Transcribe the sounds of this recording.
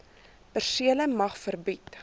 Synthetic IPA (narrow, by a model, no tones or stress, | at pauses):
pərsiələmɐχfərbit